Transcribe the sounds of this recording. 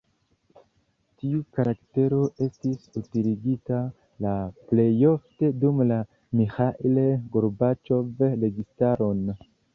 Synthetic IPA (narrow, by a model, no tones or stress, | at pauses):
tiukaɾakte̞ɾo̞ʔe̞stisutiliɡita | laple̞jo̞fte̞dumla | mixaʔileɡoɾbat͡ʃo̞vɾe̞ɡistaɾo̞n